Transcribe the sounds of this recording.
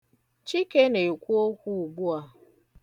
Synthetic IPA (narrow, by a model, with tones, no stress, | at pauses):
t͡ʃi˦ke˦ne˨kʷu˦o˦kʷu˦u˨ɡ͡bu˦a˨